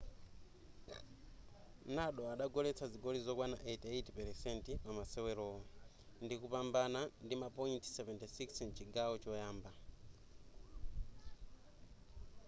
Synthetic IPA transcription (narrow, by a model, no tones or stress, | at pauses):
naɗɔaɗaɡɔlɛt͡sʰaziɡɔlizɔkwana̰ʔetetpɛɾɛsɛntipamasɛwɛɾɔːɔ | ndikupambanandimapɔintʰsɛvɛntisiksnt͡ʃiɡaɔt͡ʃɔjaːmba